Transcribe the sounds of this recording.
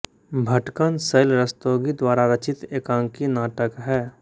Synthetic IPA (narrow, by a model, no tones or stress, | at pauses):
bʱɐʈkənsəjlɾəst̪oːɡid̪waːɾaɾɐt͡ʃɪt̪eːkãːŋkinaːʈəkɦɛː